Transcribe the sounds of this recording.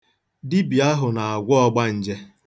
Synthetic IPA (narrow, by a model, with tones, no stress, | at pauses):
dɪ˦bi˨a˦ɦʊ˨na˨a˨ɡʷʊ˦ɔ˦ɡ͡ba˦n̩˨d͡ʒe˦